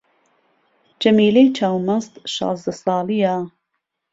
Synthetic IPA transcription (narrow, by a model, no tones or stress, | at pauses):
d͡ʒɐmiːlejt͡ʃʰaːwmɐnzt̪ʃɑ̰ːzd̪ɐsɑːlijaː